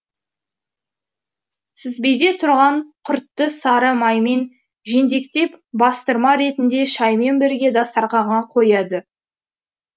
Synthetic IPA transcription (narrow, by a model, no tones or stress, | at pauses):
sɪzbejd̪e̞t̪ʰʊɾʁɑɴqʰʊɾt̪ːəsɑɾəmɑjme̞n | ʒe̞nd̪e̞kt̪e̞pbɑst̪əɾmɑɾe̞t̪ɪnd̪e̞ʃɑjme̞nbɪɾɡʲe̞d̪ɑst̪ɑɾʁɑʁɑqʰo̞jɑd̪ə